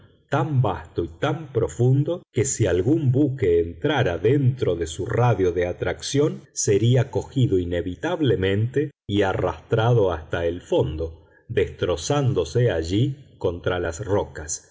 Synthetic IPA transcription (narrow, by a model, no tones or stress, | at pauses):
t̪ambast̪oit̪ampɾo̞fund̪o̞kesialɣumbuke̞ːnt̪ɾaɾaðent̪ɾo̞ðesuraðjo̞ðeat̪ɾaksjo̞nse̞ɾiako̞xiðo̞ine̞βit̪aβle̞mẽ̞nt̪eiara̰st̪ɾaðo̞ast̪aelfo̞nd̪o̞ | ðe̞st̪ɾo̞sand̪o̞seaʒiko̞nt̪ɾalasrokas